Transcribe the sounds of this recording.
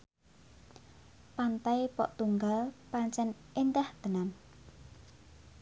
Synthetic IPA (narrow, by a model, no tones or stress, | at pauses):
pant̪aipɔ̰ʔt̪uŋɡalpaɲt͡ʃɛnʔend̪ahd̪̥ə̤nan